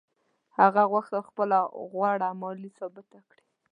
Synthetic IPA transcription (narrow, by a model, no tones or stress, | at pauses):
haɣaɣwaxt̪axpəlaɣwaɽamɔlisɑbɪt̪akɽi